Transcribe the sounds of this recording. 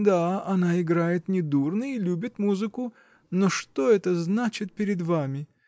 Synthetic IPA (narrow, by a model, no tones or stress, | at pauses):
d̪aɐnaɪɡɾajɪt̪nʲɪd̪urnɨilʲubʲɪt̪muzɨkʊ | noʂt̪o̞ɛt̪əznat͡ɕɪt̪̚pʲɪɾʲɪd̪vamʲɪ